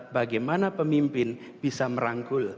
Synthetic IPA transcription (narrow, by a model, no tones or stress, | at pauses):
baɡajmanapəmimpɪn | b̥isaməɾaŋkʊl